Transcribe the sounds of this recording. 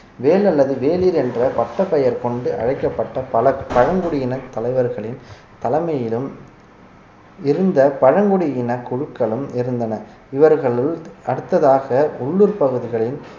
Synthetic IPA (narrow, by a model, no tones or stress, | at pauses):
ʋeːlɐlːɐðɯʋeːliːɾɛndrɐpɐʈːɐpːɐjɐɾkɔɳɖɯʔɐ̰ɻɐɪkːɐpːɐʈːɐpɐlɐpɐɻɐŋɡʊɽɪjɪnɐt̪ːɐlɐɪʋɐɾɣɐɭɪn | t̪ɐlɐɪmɐjɪlɯm | ɪɾɯnd̪ɐpɐɻɐŋɡɯɽɪjɪnɐkʊɻɯkːɐɭɯmɪɾɯnd̪ɐnɐ | ɪʋɐɾɣɐɭɪlɐɽɯt̪ːɐðaːɣɐʊɭːuɾpɐɣɯðɪɣɐɭɪn